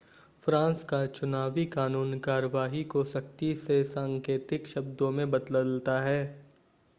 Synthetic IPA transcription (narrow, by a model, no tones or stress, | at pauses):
fɾãːnskat͡ʃʊnaːʋikaːnuːnkaːɾəʋaːɦikosɐk̚t̪isesãːŋkeːt̪ɪkʃɐbd̪õmẽbɐt̪ləlt̪aɦɛː